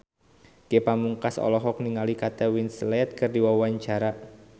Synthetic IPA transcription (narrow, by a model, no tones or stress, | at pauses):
ɡ̥epamuŋkasɔ̰lɔɦɔk̚niŋalikat̪ɛwinslɛt̪̚kərdiwawaɲt͡ʃaɾa